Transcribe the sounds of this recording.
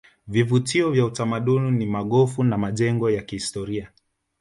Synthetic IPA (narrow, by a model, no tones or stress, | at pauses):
vivutiɔvjautamaɗuninimaɠɔfunamaʄɛŋɡɔjakihistɔɾia